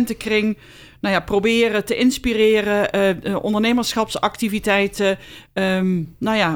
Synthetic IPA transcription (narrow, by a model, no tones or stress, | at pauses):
ntəkrɪŋ | nawjaːprowbɪːrətəʔɪnspirɪːrəʔɔ̰ndəɹnejməɹsχɑpsɑktivitɛjtə | najaː